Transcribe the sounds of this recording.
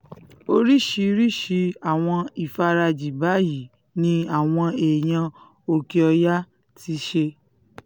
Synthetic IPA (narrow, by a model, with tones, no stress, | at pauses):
o˧ɾi˦ʃi˨˧ɾi˦ʃi˧˦a˦˨w̃ɔ̃˧i˨fa˧ɾa˧d͡ʒi˨ba˨˦ji˨ | nĩ˧˦a˨w̃ɔ̃˧eː˨j̃ã˧ | o˧ke˧ɔ˧ja˦ | tʰi˧ʃe˧